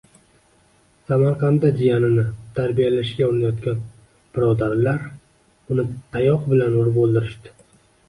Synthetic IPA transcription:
samaɾqʰɑnd̪ad͡ʒ̪ijanɪnɪt̪ʰaɾbijalaʃɡʲaoɾɪnajɒt̪̚kʲan | b̥ɪɾɒd̪aɾlaɾ | ʊnɪt̪ʰajɒqbɪlanʊɾɪbolˠd̪ɪɾɪʃt̪ɪ̥

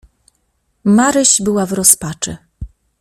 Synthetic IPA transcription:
maɾɘɕbɘwavɾɔspat͡ʂɘ̰

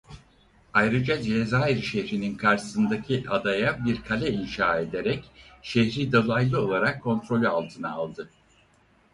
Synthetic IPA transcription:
ajɾɯd͡ʒad͡ʒezajɾʃɛhɾininkʰaɾʃɯ̥sɯnd̪acʰiʔad̪ajabiɾkʰalʲɛinʃaːe̞d̪eɾɛcʃehɾid̪olˠajlˠɯo̞lˠaɾakʰːo̞nt̪ɾo̞lʲyalˠt̪ʰɯnaːlˠd̪ɯ

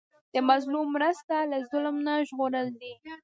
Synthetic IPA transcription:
d̪̥əmazlumːɾəst̪alazʊlmnaʒɣoɾəld̪i

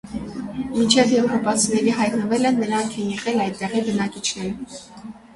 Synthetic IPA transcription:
mint͡ʃʰɛvjɛvɾɔpɑt͡sʰinɛɾiɦɑjt̪nəvɛlənːəɾɑŋkʰɛnjɛʁɛlɑjd̪t̪ːɛʁibənɑkit͡ʃʰnɛɾə

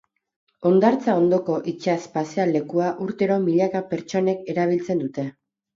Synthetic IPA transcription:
o̞nd̪aɾt͡sao̞nd̪o̞ko̞ʔit͡ʃaspasiale̞kuaʔuɾt̪e̞ɾo̞miʎakape̞ɾt͡ʃo̞ne̞ke̞ɾaβ̞ilt͡se̞nd̪ut̪e̞

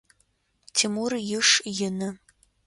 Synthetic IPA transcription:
tʰimurjɪʂjɪnɨ

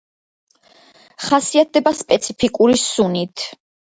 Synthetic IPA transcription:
χasiat̪̚ʰd̪ɛbaspʼɛt̪sʰipʰikʼuɾisunit̪ʰ

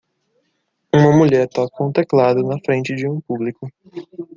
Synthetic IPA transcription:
ũmɐmuʎɛɾt̪ɔkõt̪eklad̪ʊnɐfɾẽnt͡ʃɪd͡ʒɪũpublikʊ

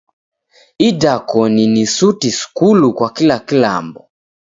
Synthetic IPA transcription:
idakɔninisutisu̥kulukwakilakila̰mbɔ

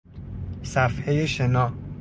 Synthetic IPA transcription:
sæfhejeʃenɒː

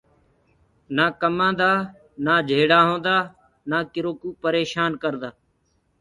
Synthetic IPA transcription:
naːkəmãːnd̪aː | naːd͡ʒʱeːɽaːɦõːnd̪aː | naːkɪɾoːkuːpəɾeːʃaːnkəɾd̪aː

